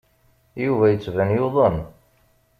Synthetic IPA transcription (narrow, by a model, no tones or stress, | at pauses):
juvæjət͡sːvænjʊðˤən